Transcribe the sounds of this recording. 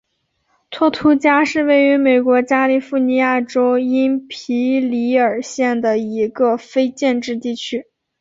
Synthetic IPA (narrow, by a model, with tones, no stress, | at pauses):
t̪ʰwɔ˥˩t̪ʰu˧˥t͡ɕja˥ʂɻ̩˥˧we˥˩ɪy˧˥me˨˩ɪkwɔ˧˥t͡ɕja˥li˨˩fu˥˩ni˧˥ja˥˩ʈ͡ʂo˥ʊi˥npʰi˧˥li˧˥ə˞˨˩ɕjɛ˥˩nd̪ə˩i˧˥ɡə˧fe˥ɪt͡ɕjɛ˥˧nʈ͡ʂɻ̩˥˧t̪i˥˩t͡ɕʰy˥